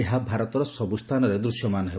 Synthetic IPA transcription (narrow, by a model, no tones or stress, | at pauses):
eɦabʱaɾɔt̪ɔɾɔsɔbust̪ʰanɔɾed̪ɾusjɔmanɔɦe